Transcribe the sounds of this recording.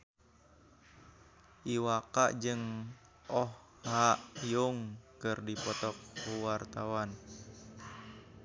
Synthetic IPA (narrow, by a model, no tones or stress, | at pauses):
ʔiwaka̰ʔd͡ʒɨŋ | ɔh | haʔjuŋkɨrdipɔt̪ɔk̚ːuwart̪awan